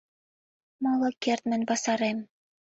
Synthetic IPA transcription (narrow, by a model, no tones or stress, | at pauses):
mɤlˠɤ̆kert̪̚mɘ̆nʲbɑsɑɾem